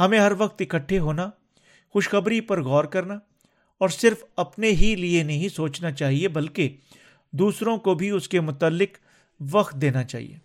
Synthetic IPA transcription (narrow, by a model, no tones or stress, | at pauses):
ɦɐmẽɦɐɾʋɐkt̪ɪkəʈʰːeɦoːna | xʊʃxɐbɾipɐɾɣɔːɾkɐɾna | ɔːɾsɪɾfɐpneɦilienɐɦĩsoːt͡ʃnat͡ʃaːɦiebɐlke | d̪uːsɾõkobʱiʊskemʊt̪əlːɪk | ʋɐxt̪̚d̪eːnat͡ʃa̰ːɦḭjḛː